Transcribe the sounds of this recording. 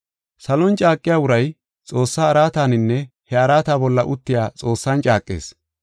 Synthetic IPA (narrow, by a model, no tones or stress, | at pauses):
sɐlɔnt͡ʃʼaːkʼːɪjaːwʊɾɐj | t͡sʼo̞ːsːaːɐɾaːt̪aːnɪnːɛhɛɐɾaːt̪aːbɔlːɐʔʊt̪ːɪjaːt͡sʼo̞ːsːɐnt͡ʃʼaːkʼːḛːs